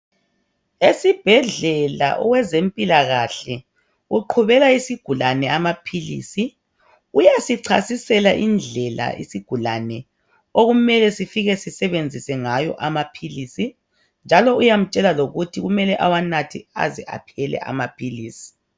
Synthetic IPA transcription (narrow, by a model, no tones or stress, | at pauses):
esib̥ʱɛɮɛla̰ʔɔ̰wɛzempʼilaɣaɬɛ | uǃʰuβɛɣaisiɡ̥ʱulanɛamapʰilḭːsi | ujasiǀʰasisɛlaʔind͡ɮʱɛla̰ḭsiɡ̥ʱula̰nɛ | oɣumɛlɛsifiɣɛsisɛβend͡zʱisɛŋajɔ̰ʔamapʰilisi | nd͡ʒʱalɔujam̩t͡ʃʼɛlaloɣutʰiɣumɛlɛʔawanatʰia̰zɛʔa̰pʰɛlɛ̰ʔa̰mapʰiliːsi̥